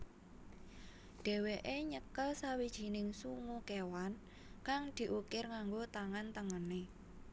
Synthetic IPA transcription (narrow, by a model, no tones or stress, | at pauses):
ɖ̥ɛ̤weʔeɲəkəlsawid̥ʒ̥i̤nɪŋsuŋukewan | kaŋd̪̥i̤ʔukɪrŋaŋɡot̪aŋant̪əŋəne